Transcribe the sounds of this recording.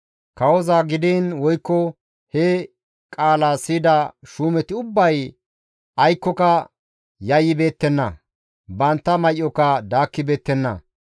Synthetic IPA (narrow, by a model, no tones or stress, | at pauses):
kɐwɔzaːɡɪd̪iːnwɔjkːɔ | hɛ | kʼaːlaːsiːd̪ɐʃuːmɛt̪ɪʊbːɐj | ʔɐjkːɔkɐ | jɐjːɪbe̞ːt̪ːɛnːɐ̰ | bɐnt̪ːɐmɐjʔɔkɐd̪aːkːɪbe̞ːt̪ːɛnːɐ̰